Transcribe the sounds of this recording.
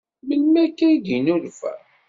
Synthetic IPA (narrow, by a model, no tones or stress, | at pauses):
məlmækæjd̪inuɾfæ̰